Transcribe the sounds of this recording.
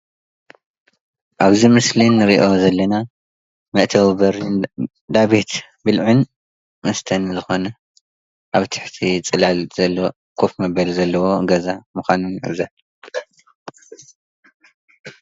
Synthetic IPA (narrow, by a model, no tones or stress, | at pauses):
ʔaβzimɨslinːɨɾiʔo̞zɐlːɐna | mɐʔt̪ʰɐwβɐɾ | d̪aβet̪ | bɨlʕun | mɐst̪ʰɐnzɨxo̞nɐ | ʔaβt̪ʰɨ̥ħt̪ʰit͡sʼɨlalzɐlːo | kʰofmɐβɐlzɐlːɐwo̞ɡɐzamɨxʷanuna̰βza